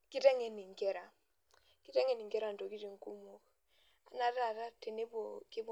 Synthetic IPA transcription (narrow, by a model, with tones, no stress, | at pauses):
ki˦te˦ŋe˨ni˨ŋ̩˨ke˦ɾa˨ | ki˦te˦ŋe˦ni˨ŋ̩ke˦ɾa˨n̩˨to˨ki˦ti˨ŋ̩˦ku˦mo˦k | a˨na˨ta˦˨ta˦te˨ne˦bo˨ki˦b